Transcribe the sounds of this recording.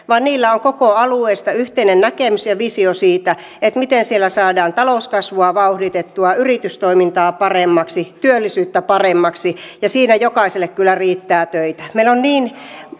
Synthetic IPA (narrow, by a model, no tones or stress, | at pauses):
ʋɑːnniːlːæoŋkokoɑlueist̪ɑyht̪einennækemysjɑʋisiosiːt̪æ | et̪mit̪ensielːˑæsɑːdɑːnt̪ɑlouskɑsʋuɑʋɑuhdit̪et̪ːuɑyrit̪yst̪oimint̪ɑːpɑremːɑksit̪yølːisyːt̪ːæpɑremːɑksijɑsiːnæjokɑˑiselːˑekkylːˑæriːt̪ːæːt̪øit̪æ̥meilonniːn